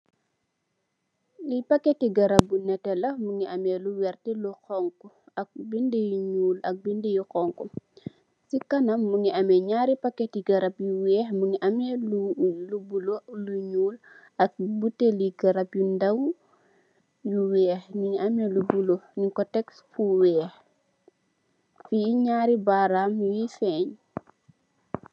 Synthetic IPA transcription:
lipɐkːɛtiɡɐɾɐp̚bunɛtɛlɐmuŋiʔɐmɛluwɛrtiluxɔŋkɔ | ɐk̚bindejuɲuːlɐk̚bindejukɔŋkɔ | sikɐnɐmːuŋiɐmɛɲaɾipɐkːɛtiɡɐɾɐpjuwɛːxmuŋiʔɐmɛlulubuloluɲuːl | ɐk̚buteliɡɐɾɐpjundɐw | juwɛːxniŋiʔɐmɛlubuloniŋkɔtɛksfuwɛːx | fiɲaːɾibaɾamwifɛːɲ

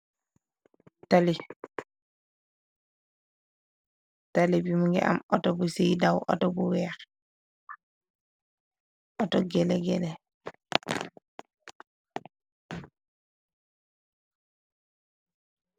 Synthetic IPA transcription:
tali | talibimuŋɡɛ̰ʔa̰mɔtɔbusijdawʔɔ̰tɔbuwɛːx | ʔɔtɔɡɛlɛɡɛlɛ

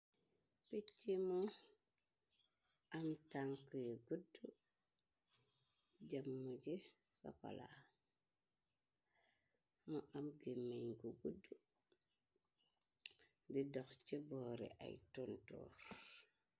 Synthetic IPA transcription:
pit͡ʃːimɔ | amtaŋkujeɡudːu | ɟamːud͡ʒi | sɔ̰kɔ̰la̰ | muʔamɡemːeɲɡuɡudːu | didɔxt͡ʃibɔːɾḭʔa̰jtuntɔ̰ɾ

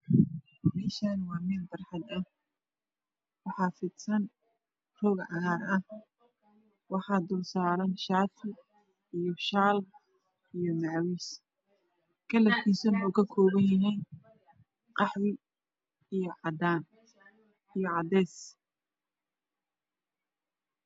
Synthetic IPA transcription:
mɛːʃanwɑːmɪnd̪ɐrħɑd̪ɐ | wɑħɑːfɪd̪sɐn | rɔːɡʕɑɦaːɾɐh | wɑħɑːd̪ʊlsaːɾɐnʃaːt̪ʰɪ | ijɔʃaːlb | ijɔmɑʕwis | kʰɐlɐfkʰiːsɐmuːkʰɐkʰɔːβɐnjɐɦɛjn | qɑħwɪ | ijɞʕɑd̪aːn | ijɔʕɑd̪ɛːs

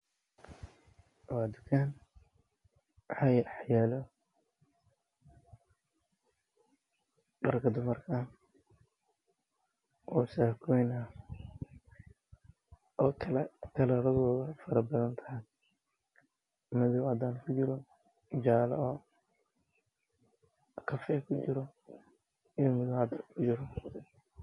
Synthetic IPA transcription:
waːd̪ʊkʰaːn | ajħjaːlɔ | ɖɐrkʰɐd̪ʊmɐrkʰɐ | ʔɔːsaːkʰɔjnɐ | ɔːɐlɛkʰɐlɐɾɐðɔːðɐfɐɾɐbɐðɐnt̪ʰɐɦɐj | mɐðʊwʕɑd̪aːnkʰʊt͡ʃɪɾɔ | d͡ʒaːlɔː | kʰɐfɛkʰʊt͡ʃɪɾɔ | ɪjɔmʊðʊʕɑd̪kʰʊt͡ʃɪɾɔ

